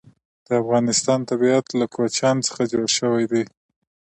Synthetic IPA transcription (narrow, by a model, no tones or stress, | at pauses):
d̪̥əafɣɑnɪst̪ɑnt̪abiat̪lakwat͡ʃɑnt͡sə̥xad͡ʒoɽʃəwajd̪ej